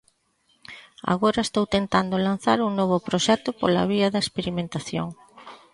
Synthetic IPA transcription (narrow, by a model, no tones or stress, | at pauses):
a̰ɣoɾɐest̪owt̪ent̪and̪olan̟θaɾuŋnɔβ̞ʊpɾoʃɛt̪opola̰βiɐðɐespeɾimẽnt̪aθjo̰ŋ